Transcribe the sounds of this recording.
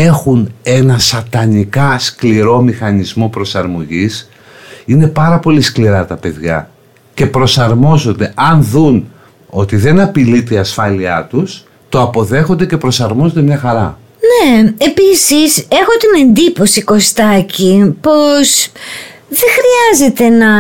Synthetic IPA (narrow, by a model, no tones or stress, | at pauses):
e̞xune̞nɐsɐt̪ɐnikɐskliɾo̞mixɐnizmo̞pɾo̞sɐɾmo̞ʝis | ine̞pɐɾɐpo̞liskliɾɐt̪ɐpe̞ðʝɐ̰ | ce̞pɾo̞sɐɾmo̞zo̞nd̪e̞ʔɐnðun | o̞t̪iðe̞nɐpilit̪eiɐsfɐliɐt̪us | t̪o̞ɐpo̞ðe̞xo̞nd̪e̞ce̞pɾo̞sɐɾmo̞zond̪emɲɐxɐɾɐ̰ | neepisise̞xo̞t̪ine̞nd̪ipo̞siko̞st̪ɐcipo̞s | ðe̞xɾiɐze̞t̪e̞nɐ